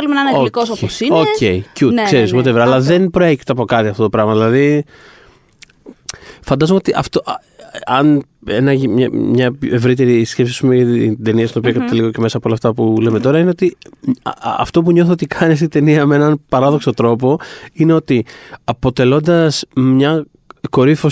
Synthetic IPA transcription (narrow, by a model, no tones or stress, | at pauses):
lumenɐnɐooikososioceicut̪kse̞ɾismot̪evɾɐlɐðe̞npɾo̞e̞çi̥t̪eɐpo̞kɐt̪iɐft̪ot̪opɾɐɣmɐðilɐði | fɐnd̪ɐzomeo̞t̪iʔɐft̪oʔ | ɐnenɐʝimɲɐmɲɐpe̞vɾit̪e̞ɾisce̞psiɐspumeɐid̪e̞niɐst̪inopiokɐt̪eliɣoce̞me̞sɐpoolɐft̪ɐpule̞me̞t̪o̞ɾɐineot̪i | ɐ̰ft̪o̞puɲo̞θot̪ikʰɐnest̪id̪e̞niɐmee̞nɐnpɐɾɐðo̞kso̞t̪ɾo̞po̞ine̞ot̪iɐpo̞t̪e̞lo̞nd̪ɐsmɲɐ | ko̞ɾifo